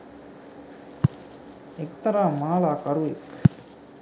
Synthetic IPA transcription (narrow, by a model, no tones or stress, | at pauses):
ek̚t̪ɐɾaːmaːlaːkɐɾuik